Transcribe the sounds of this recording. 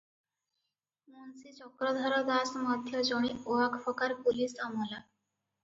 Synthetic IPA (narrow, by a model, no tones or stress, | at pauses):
munsit͡ʃɔkɾɔd̪ʱaɾɔd̪asmɔd̪ʱjɔd͡ʒɔɳ̃ioakʰpʰɔkaɾpulisamɔla